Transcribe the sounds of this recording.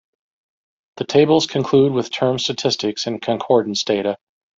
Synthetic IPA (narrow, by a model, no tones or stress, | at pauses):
ðɨtʰeɪbl̩ˠz̥kʰɨ̃nkʰl̥ud̚wɨð̥tʰɜ̃˞mstɨtʰɪstɨksɨ̃nkʰɨ̃nkʰɔɹdⁿn̩sd̥eɪɾɨ